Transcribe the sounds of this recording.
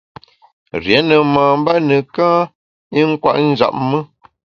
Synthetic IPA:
ɾjɛ˨˦nə˨maː˨m̩˦ba˦nə˨kãː˦ | i˦ŋ̩˦kwa̰˦ʔn̩˦za̰˨p̚mə˦

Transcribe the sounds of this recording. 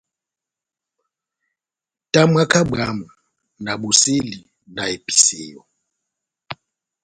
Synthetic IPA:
tʼa˦mwa˦kʰa˦ɓa˦ma˨ | na˨ɓu˨se˦li˨ | na˨e˨pʼi̥˨se˨jɔ˨

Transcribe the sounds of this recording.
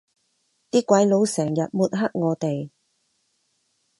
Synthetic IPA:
t̪iː˥kːʷɐ˨˧˥jlo˨˧wsɛː˨˩ŋjɐ˨t̚muː˨t̚ɦɐ˥k̚ŋɔː˨˧t̪e˨j

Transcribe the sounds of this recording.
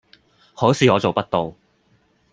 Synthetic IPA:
hoː˨˥siː˨ɔː˨˧t͡so˨wpɐ˥t̚t̪o˨w

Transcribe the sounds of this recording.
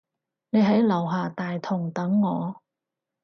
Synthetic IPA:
ne˨˧jɦɐ˨˥jlɐ˨˩wɦaː˨t̪aː˨jt̪ʰʊ˨˩ŋt̪ɐ˨˥ŋːɔː˨˧

